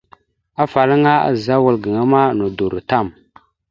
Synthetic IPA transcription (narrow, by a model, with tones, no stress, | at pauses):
a˦fa˨lə˦ŋa˦a̰˨za˦wu˨lɡə˨ŋa˦ma˦nu˨du˨ɾu˨ta˦˨m